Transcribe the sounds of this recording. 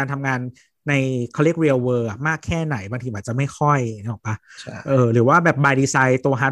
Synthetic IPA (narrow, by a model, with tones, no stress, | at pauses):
aː˧nt̪ʰa˧mŋaː˧nː | a˧jkʰɔ˧li˥ək̚ɾi˧wwɤː˧ʔa˨˩maː˥˩kʰːɛː˥˩na˩˦jbaː˧ŋt̪ʰi˧aː˨˩t̚t͡ɕa˨˩ma˥˩jxʰɔ˥˩jŋi˦˥lɔ˨˩pa˦˥ʔɤː˧ɾɯː˩˦waː˥˩bɛː˨˩p̚baː˧jdiː˧saː˧jt̪u˧ɐɦa˦˥